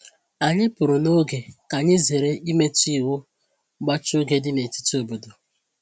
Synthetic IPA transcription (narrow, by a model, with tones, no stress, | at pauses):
a˨ɲɪ˦pʊ˨ɾʊ˨no˦ɡe˨ka˨ɲɪ˦ze˨ɾe˦ʔi˦me˦ti˦˨wʊ˦ | ɡ͡ba˦t͡ʃʊ˦ɡe˨dɪ˦ne˨ti̥˦to˨bo˨do˨